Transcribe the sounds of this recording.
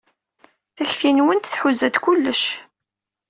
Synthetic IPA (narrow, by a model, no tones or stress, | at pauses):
θæçfinwənt̪θħuzæd̪kulːəʃ